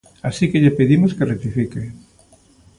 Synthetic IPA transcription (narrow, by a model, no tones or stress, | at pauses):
asikeʎepeðimoskeret̪ifike